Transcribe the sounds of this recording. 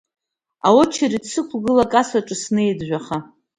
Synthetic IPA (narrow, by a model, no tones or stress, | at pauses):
awot͡ʃʰarit͡sʰɨkʷʰɡɨlakʼasaʈ͡ʂʼɨsnɨjdʒᶣʷaχa